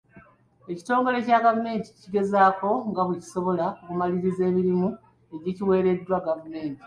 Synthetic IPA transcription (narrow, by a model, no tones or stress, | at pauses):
e̞ci̥to̞ːŋɡo̞le̞caɡavume̞ːnti̥ciɡe̞zaːko̞ŋɡaβuci̥so̞βo̞laoβumaliɾize̞ːmiɾimu | eɟiciwe̞ːɾe̞dːwaɡavume̞ːnti̥